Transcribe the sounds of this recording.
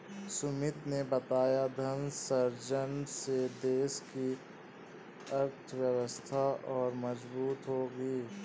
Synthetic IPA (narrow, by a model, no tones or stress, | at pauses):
sʊmɪt̪nebɐt̪aːjad̪ʱɐnsɐɾd͡ʒəɳɖsed̪eːski | ɐɾt̪ʰwjəwəst̪ʰaɔːɾmɐd͡ʒbuːt̪ɦoːɡiː